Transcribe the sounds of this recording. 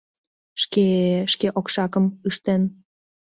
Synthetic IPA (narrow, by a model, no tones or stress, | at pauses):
ʃkeʃkeʔokʃɑkəmɯʃt̪en